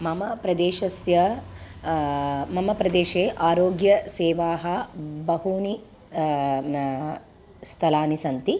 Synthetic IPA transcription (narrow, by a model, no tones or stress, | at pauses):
mɐmɐpɾɐd̪eːʃɐsjɐ | mɐmɐpɾɐd̪eːʃeːʔaːɾoːɡjɐseːʋaːɦɐbɐɦuːni | st̪ʰɐlaːnisɐnt̪i